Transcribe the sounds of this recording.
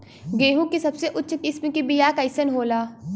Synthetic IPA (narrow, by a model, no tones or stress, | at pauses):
ɡeːɦũkisɐbseʔʊtːʃʰkɪsmkibijaːkɐɪsənɦoːlaː